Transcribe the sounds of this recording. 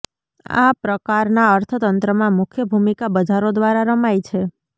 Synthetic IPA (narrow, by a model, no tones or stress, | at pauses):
a̰pɾəkaɾnaəɾt̪ʰət̪ənt̪ɾəmãmʊkʰjəbʱumikabəd͡ʒaɾod̪ʋaɾaɾəmajt͡ʃʰe